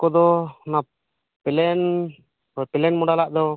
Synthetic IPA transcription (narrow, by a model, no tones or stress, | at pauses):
kɔd̪ɔna | pɛlɛn | ɔpɛlɛnmɔɽalaʔd̪ɔ